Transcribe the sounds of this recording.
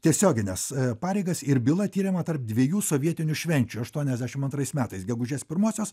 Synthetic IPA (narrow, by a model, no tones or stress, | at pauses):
t̪ʲiɛsʲoːɡʲɪnʲɛspɑːɾʲɛɪɡɐsɪɾbʲɪlˠɐt̪ʲiːɾʲɪmɐt̪ɐɾp̚d̪ʲʋʲiɛjuːsoːʋʲiɛt̪ʲɪnʲʊʃʲʋʲɛnʲt͡ʃʲuɐʃt̪uɔnʲɛzʲd̪ʲæʃʲɪmɐnt̪ɾɐɪsmʲæːt̪ɐɪsɡʲɛɡʊʒʲeːspʲɪɾmoːsʲoːs